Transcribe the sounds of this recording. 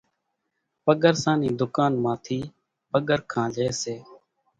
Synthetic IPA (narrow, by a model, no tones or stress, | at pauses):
pəɠəɾsãːniːd̪ʊkaːnmãːt̪ʰiː | pəɠəɾkʰãːleːseː